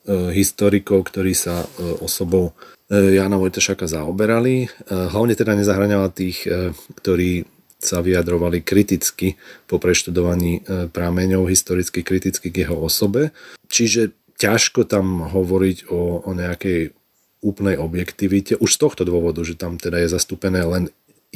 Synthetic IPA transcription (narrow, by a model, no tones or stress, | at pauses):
ɦist̪ɔɾikɔʊkt̪ɔɾiːsaɔsɔbɔʊ | jaːnamɔjt̪aʃakazaɔbɛɾaliɦlaʊɲɛt̪ɛd̪aɲɛzaɦɾaɲɛlat̪iːxkt̪ɔɾiː | saʋiad̪ɾɔʋalikɾit̪it͡skipɔpɾɛʃt̪ud̪ɔʋaɲiːpɾamɛɲɔʊɦist̪ɔɾit͡skikɾit̪it͡skiɡjɛɦɔɔsɔbɛt͡ʃiʒɛ | caʃkɔt̪amɦɔʋɔɾiɟɔːɲɛakɛj | uːplnɛjɔbjɛkt̪iʋicɛʔuʃst̪ɔxt̪ɔd̪ʊɔʋɔd̪uʒɛt̪amt̪ɛd̪ajɛzast̪uːpɛnɛːlɛn